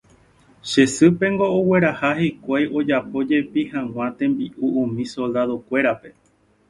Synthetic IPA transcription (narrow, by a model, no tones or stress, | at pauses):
ʃe̞sɨpẽ̞ŋɡo̞owe̞ɾahahikʷajo̞d͡ʒapo̞d͡ʒe̞pihãw̃ãt̪ẽ̞mbiʔuʔũmĩso̞ld̪aðo̞kʷe̞ɾape̞